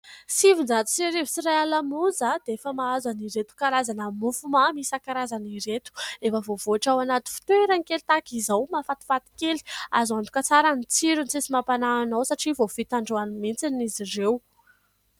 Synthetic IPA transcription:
sivund͡zat̪u̥siɾevusiɾajalamuzad̪̥eefəmaazaniɾet̪u̥kaɾazanəmufumamisakaɾazaniɾet̪u̥efəvovoaʈ͡ʂawanat̪u̥fi̥t̪weɾanikelit̪akizawmafat̪i̥fat̪i̥keli̥azant̪ukət͡saɾanit͡siɾunt͡sesimapanaːnawsaʈ͡ʂivofit̪aɳɖ͡ʐoanimint͡sinizirew

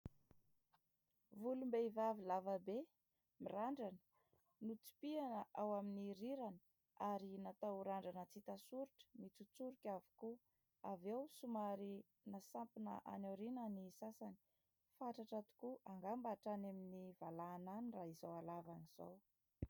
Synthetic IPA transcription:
vulumbeivavilavabe | miraɳɖ͡ʐan | nut͡si̥pianəʔawaminiɾiɾani̥ | aɾinat̪auɾaɳɖ͡ʐanət͡sit̪asuɾiʈ͡ʂə̥mit͡sut͡suɾukʲavi̥ku | avewsumaɾi | nasampinə̰ʔa̰nowɾinanisasani̥ | faʈ͡ʂaʈ͡ʂat̪u̥kuʔaŋɡambaʈ͡ʂanaminivalaːnaniraiz̥awalavaniz̥a̰w

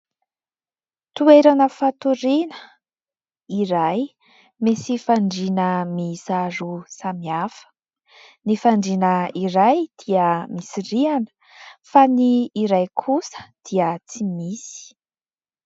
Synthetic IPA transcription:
t̪ueɾanəfat̪uɾinə̥ | iɾaj | mesifaɳɖ͡ʐinəmizaɾusamiafə̥ | nifaɳɖ͡ʐinəiɾajd̪̥iəmisirianə̥ | faniːɾajkʰusə̥d̪̥iət͡simisi̥

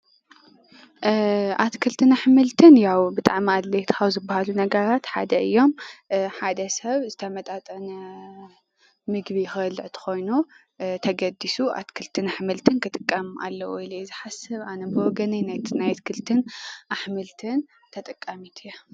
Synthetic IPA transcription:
ʔa̰t̪kʰɨlt̪ʰɨnaħmɨlt̪ʰɨnjawbɨt̪ʼaʕmiad̪lejt̪ʰxawzɨbːahalunɐɡɐɾat̪ħa̰d̪ɐʔɨjːo̞mħad̪ɐsɐβzɨt̪ʰɐmɐt̪ʼat̪ʼɐnɐ | mɨɡbixɨɐlːɨʕt̪ʰɨ̥xo̞jnu | t̪ʰɐɡɐd̪isuʔa̰t̪kʰɨlt̪ʰɨnaħmɨlt̪ʰɨnkʰɨt̪ʼɨkʼːɐmʔa̰lːɐʔuilizɨħasɐβanɐbɨwɔɡɐninajnajt̪kʰɨlt̪ʰɨnʔaħmɨlt̪ʰɨn | t̪ʰɐt̪ʼɨkʼːamit̪ʰɨjɐ

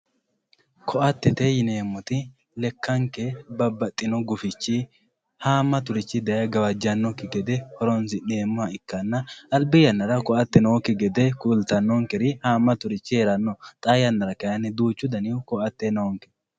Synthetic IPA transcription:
kʰɔʔɐt̪ːɛt̪ɛjɪneːmːɔt̪ɪ | lɛkːɐŋkɛbɐbːɐt̪ʼːɪnɔɡʊfɪt͡ʃːɪ | haːmːɐt̪ʊɾɪt͡ʃːɪd̪ɐjɐɡɐwɐd͡ʒːɐnːɔkːɪɡɛd̪ɛhɔɾɔnsɪneːmːɔɐɪkːɐnːɐːlbɪjɐnːɐɾɐkɔʔɐt̪ːɛnɐwɔkːɪɡɛd̪ɛkult̪ɐnːɔŋkɛɾɪhaːmːɐt̪ʊɾɪt͡ʃːɪheɾɐnːɔt̪ʼɐjɐnːɐɾɐkɐjɐnːɪd̪uːt͡ʃːʊd̪ɐnɪʊkɔʔɐt̪ːɛnɐwɔŋkɛ̥

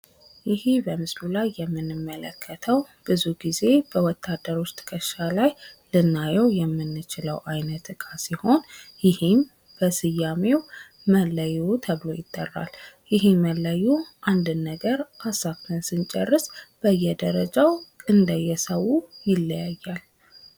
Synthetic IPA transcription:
jɪhibəmɨslulajːɛmːɨnːɨmːələ̰kʰːət̪ʰəw | b̥ɨzuɡize̞b̥əwɔt̪ʰːad̪əɾo̞t͡ʃt̪ʰɨ̥kʰəʃalajlɨnːajɛwjɛmːɨnːɨt͡ʃɪləwʔajnət̪ɨkʼasiho̞njɪhɪm | b̥əsɨjːamew | mələjut̪ʰəβlo̞jɪt̪ʼːə̰rːa̰ljɪɦiməlːəjuʔand̪ɨnːəɡəɾʔasakt̪ʰɨnsɨnt͡ʃʼərːɨsb̥əjːɛd̪əɾəd͡ʒawʔɨnd̪əjːɛsəwːujɪlːəjajːal

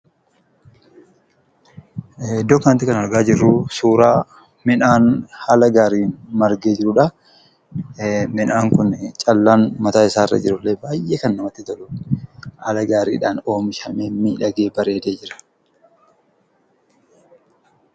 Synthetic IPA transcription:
d̪ɔkːant̪ɪkɐnɐɾɡaːd͡ʒɪrːusuːɾaː | mɪnaːnhaːlɐɡaːɾiːmɐɾɡeːd͡ʒɪɾʊᶑɐ | mɪnaːŋkʊnt͡ʃʼɐlːaːnmɐt̪aːɪsaːɪrːɐ̰d͡ʒɪɾʊlːeːbaːjʔeːkɐnːɐmɐt̪ːɪt̪ɐlʊ | haːlɐɡaːɾḭːᶑaːno̞ːmɪʃɐmeːmmiːᶑɐɡe̞ːbɐɾeːd̪eːd͡ʒɪɾɐ̥

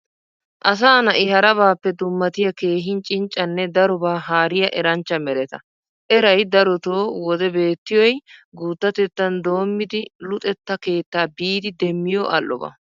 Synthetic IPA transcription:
ʔɐs̬aːnɐʔɪhɐɾɐbaːpːɛd̪ʊmːɐt̪ɪjɐke̞ːɦɪnt͡ʃʼɪnt͡ʃʼːɐnːɛd̪ɐɾɔbaːɦaːɾɪjɐʔɛɾɐnt͡ʃːɐmɛɾɛt̪ɐ | ʔɛɾɐjd̪ɐɾɔt̪oːwɔd̪ɛbe̞ːt̪ːɪjɔjɡuːt̪ːɐt̪ɛt̪ːɐnd̪o̞ːmːɪd̪ɪlʊt̪ʼɛt̪ːɐke̞ːt̪ːaːbiːd̪ɪd̪ɛmːɪjɔʔɐlːɔ̰bɐ̰

